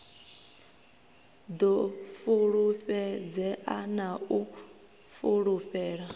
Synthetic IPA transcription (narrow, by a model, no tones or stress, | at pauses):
d̪ɔfuɺuɸɛd͡zɛʔanau | fuɺuɸɛːɺa